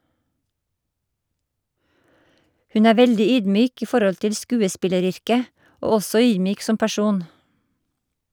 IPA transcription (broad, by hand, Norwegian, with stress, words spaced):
ˈhʉn ˈæː ˈʋɛldɪ ˈyːdˌmyːk ˈiː ˈfɔɾɔl ˈtɪl ˈskʉːəˌspɪləˌɾʏɾkə ˈoː ˈɔsɔ ˈyːdˌmyːk ˈsɔm pæˈʃuːn